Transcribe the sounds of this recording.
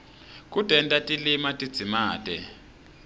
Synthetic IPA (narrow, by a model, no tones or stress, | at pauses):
k̬ʼutɛntʼatʼilimatʼid̥d͡z̥ʱimaːtʼɛ